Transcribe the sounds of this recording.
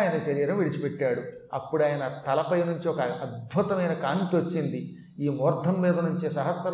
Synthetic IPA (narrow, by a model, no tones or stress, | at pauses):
jɐnɐʃɐɾiːɾɐmʋiɽit͡ʃipɛʈːaːɽu | ɐ̰pːuɽaːjɐnɐt̪ɐlɐpɐjnuɲt͡ʃiɔkɐɐd̪̚bʱut̪ɐmɐjnɐkaːnt̪iot͡ʃːind̪i | iːmɔːɾt̪ʰːɐmːiːd̪ɐnuɲt͡ʃisɐɦɐsːɐ